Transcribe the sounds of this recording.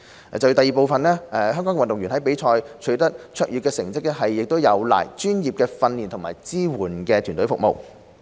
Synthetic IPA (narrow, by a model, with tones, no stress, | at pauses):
t͡sɐ˨˩jt̪ɐ˨jiː˨po˨wfɐ˨nɛː˥ɛ˨ɦœː˥ŋkɔː˨˥ŋkɛ˧ɐ˨nt̪ʊ˨ŋɥyː˨˩nhɐ˨˥jpe˨˥jt͡ʃʰɔː˧jt͡ʃʰɵ˨˥ɥt̪ɐ˥t̚t͡ʃʰœ˥k̚jyː˨tkɛː˧sɪ˨˩ŋt͡sɪ˥k̚ɛ˥ɦɐ˨jːɪ˨k̚t̪o˥wjɐ˨˧wla̰ː˨˩jt͡ʃyː˥njiː˨p̚kɛː˧fɐ˧nliː˨nt̪ʰʊ˨˩ŋmaː˨˩jt͡siː˥wuː˨˩nkɛː˧t̪ʰyː˨˩nt̪ɵ˨˥fʊ˨k̚mo̰˨w